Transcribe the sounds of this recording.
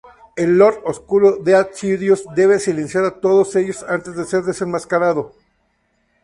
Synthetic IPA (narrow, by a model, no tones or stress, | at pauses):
e̞lːo̞ɾoskuɾo̞ðeat͡ʃiðjosd̪e̞βe̞sile̞nsjaɾat̪o̞ð̞o̞se̞ʝo̞sant̪e̞zðese̞ɾðe̞senmaskaɾað̞o̞